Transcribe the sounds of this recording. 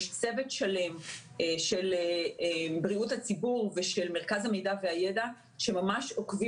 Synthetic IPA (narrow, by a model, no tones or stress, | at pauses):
ʃt͡sevetʃale̞m | ʃelebʁiuthat͡sibuʁveʃelmeʁkazhame̞jdaveajeda | ʃe̞mamaʃokvi